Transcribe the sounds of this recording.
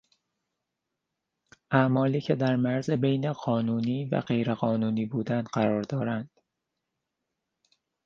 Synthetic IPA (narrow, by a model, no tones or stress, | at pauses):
ʔæmɒːliːcʰe̞d̪æɾmæɾzebejneɢɒːnuːniːvæ̰ɢe̞jɾeɣɒːnuːniːbuːd̪ænd̪ɢæɾɒːɾd̪ɒːɾænd̪̥